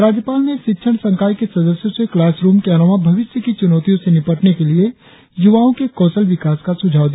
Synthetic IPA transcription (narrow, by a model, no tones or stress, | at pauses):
ɾaːd͡ʒjəpaːlneʃɪtːʃʰəɽ̃sɐ̃ŋkaːjkesɐd̪əsjoseklaːsɾuːmkeɐnɔmabʱɐʋɪʃjəkit͡ʃʊnɔːt̪ijõsenɪpəʈnekelie | jʊʋaːõkekɔːsəlʋɪkaːskasʊd͡ʒʱaːʋd̪ija